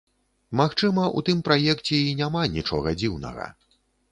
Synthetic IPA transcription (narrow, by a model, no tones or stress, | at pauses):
maxt͡ʂɨmɐʔṵt̪ɨmpɾajɛkt͡sʲɛinʲamanʲit͡ʂɔ̰ɣɐd͡zʲiwnɐ̰ɣɐ̰